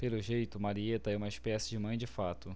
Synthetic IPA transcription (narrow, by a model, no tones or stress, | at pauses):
pelʊʒejt̪ʊmaɾiet̪ɐɛũmɐɪʃpɛsɪd͡ʒɪmɐ̃j̃d͡ʒɪfat̪ʊ